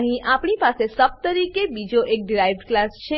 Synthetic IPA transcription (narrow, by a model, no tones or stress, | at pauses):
ɦĩʔapɳ̃ipasesəp̚t̪əɾikebid͡ʒoʔek̚ɖɾajʋɖklast͡ʃʰe